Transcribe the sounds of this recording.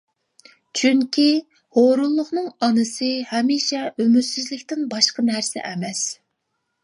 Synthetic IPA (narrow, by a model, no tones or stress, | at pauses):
t͡ʃʰyŋkʲʰi | hoɾulˠːʊχnɨŋɑnɨsɨhɛmiʃɛʔømyt̪syzlɪkʲt̪ɪnbɑʃqənæɾsɛ̰ʔɛmɛs